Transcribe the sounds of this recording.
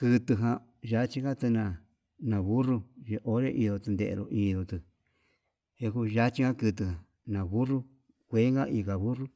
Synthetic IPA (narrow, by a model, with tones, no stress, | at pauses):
kɨ˧t̪ɨ˧ɦã˧ | ʒa˦t͡ʃi˦ka˦t̪ɨ˧nã˧ | nã˨βu˦ru˧ʒe˧ʔo˦ɾe˦ʔi˧ðo˧t̪ɨ˧nd̪ḛ˨ʔḛ˧ɾo˧ʔi˧ðo˧t̪ɨ˧ | e˧ku˧ʒa˦t͡ʃi˦ɡã˦kɨ˧t̪ɨ˧ɦã˨ | nã˨βu˦ru˦ | kʷe˦ŋɡa˦ʔi˧ka˨βu˦ru˦